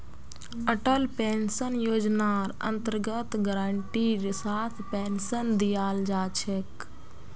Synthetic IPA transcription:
əʈəlpeːnsənjoːd͡ʒnaːɾə̰nt̪əɾɡət̪ɡəɾaɳʈiɾsaːt̪ʰpeːnsənd̪ijaːld͡ʒaːt͡ʃʰek

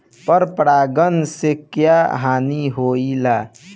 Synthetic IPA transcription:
pəɾpɾaːɡənsekjaɦaːniɦoilaː

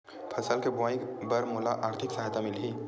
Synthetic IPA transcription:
pʰɐsəlkebʊaːibəɾmʊlaʔaːɾt̪ʰɪksɐɦajt̪amɪli

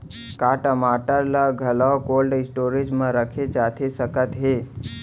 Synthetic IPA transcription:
kaʈəmaːʈəɾlaɡʱəlaokolɖɪsʈoːɾid͡ʒmãɾəkʰet͡ʃaːt̪ʰesəkət̪ɦe

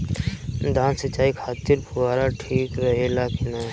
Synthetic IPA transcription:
d̪ʱãːnsət͡ʃːaːikʰaːt̪ɪɾbʰʱʊʋaːɾaʈʰiːkɾəɦelaːkɪnaː

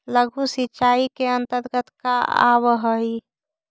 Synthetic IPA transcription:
ləɡʱusitːt͡ʃaikeənt̪əɾɡət̪kaa̰βɦəi

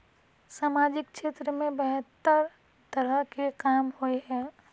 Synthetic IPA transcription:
saːmaːd͡ʒɪk̚ʃeːt̪ɾəmẽbɛɦət̪ːəɾ | t̪əɾəɦkekaːmhoeɦɛː

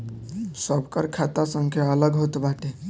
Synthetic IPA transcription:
səbʱkəɾkʰat̪asəŋkʰeələɡɦot̪baʈe

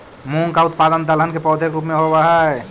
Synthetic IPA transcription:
muŋkaʊt̪̚paːd̪ənd̪ələnkepɔːd̪ʱekɾupmẽɦobaɦɛ

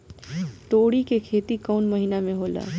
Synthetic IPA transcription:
ʈ̪oːɽikekʰeːt̪ikəʊnməɦinamẽɦola̰

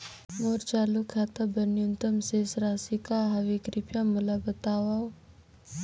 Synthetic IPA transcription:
moɾt͡ʃaːlukʰat̪abɐnjunt̪əmseːsɾaːsikaɦɐʋekɾipjamulabət̪aːwaw

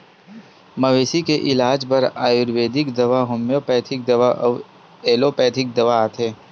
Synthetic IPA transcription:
mɐʋeːsikeʔɪlaːd͡ʒpɐɾaːjʊɾʋeːd̪ɪkd̪ɐʋaɦʊmjopɛːt̪ʰɪk̚d̪ɐʋaʔɔʋ | eːlopɛːt̪ʰɪk̚d̪ɐʋaaːt̪ʰeː

